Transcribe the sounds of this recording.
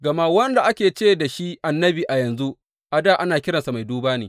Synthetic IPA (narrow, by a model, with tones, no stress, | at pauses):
ɡɐ˨ma˦wɐ˦nda˨ʔa˦kʲeː˨t͡ʃeː˦da˨ʃi˦ʔa˨nːɐ˦biː˨ʔa˨jɐ˨nzu˦ʔ | ʔa˨daː˦˨ʔa˦naː˨kʲɪ˦ɽɐ˨nsa˨ma˨jduː˦baː˦neː˨